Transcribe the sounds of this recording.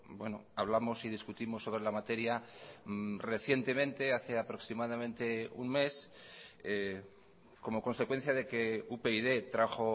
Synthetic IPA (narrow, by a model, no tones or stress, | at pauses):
bwe̞no̰aβ̞lamo̞sið̞iskut̪imo̞sːoβ̞ɾe̞lamat̪e̞ɾja | re̞θje̞nt̪e̞mẽ̞nt̪e̞aθe̞apɾo̞ksimaðamẽ̞nt̪e̞ṵŋme̞s | e | ko̞mo̞kõ̞nse̞kwe̞n̟θjaðe̞ke̞upeiðe̞t̪ɾaxo̞